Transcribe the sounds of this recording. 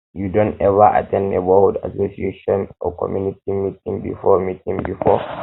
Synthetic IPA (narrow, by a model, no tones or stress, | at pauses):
judɔ̃nɛvɐʔa̰tɛ̃ndɛ̰bɔlda̰sosieʃɔnɔkʰɔ̰mjunitimitĩŋbḭfɔmitĩŋbifɔ